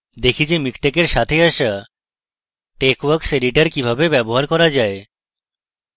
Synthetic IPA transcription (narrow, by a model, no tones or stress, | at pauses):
d̪ekʰit͡ɕemikʈekeɾʃat̪ʰeaʃa | ʈekwəɾkseɾiʈaɾkibʱabebɛboɦaɾkɔɾad͡ʑae